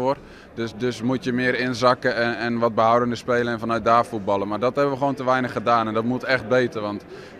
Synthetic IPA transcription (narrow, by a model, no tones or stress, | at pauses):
ʊər | døsdøsmutjəmɪəɾɪnzɑkəɛɛnʋɔt̚bəhawdəndəspeːləɛnfɔnœɥt̚daːfut̚bɑlˠənmardɔtɦɛbəʋəxʋoːwntəʋɛjnəχədaːnɛndɔtmutɛxt̚beːtərʋɔnt